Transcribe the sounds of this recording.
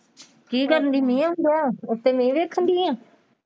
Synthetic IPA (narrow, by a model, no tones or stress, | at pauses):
kiːkəɾənd̪iːmĩːãʊ̃nd̪aʊt̪ːeːmĩːʋeːkʰənd̪iːãː